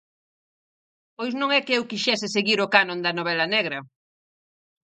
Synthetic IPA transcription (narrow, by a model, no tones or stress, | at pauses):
pojznõŋɛkeewkiʃɛs̬ɪseɣiɾʊkanõnd̪ɐnoβ̞ɛlɐnɛɣɾɐ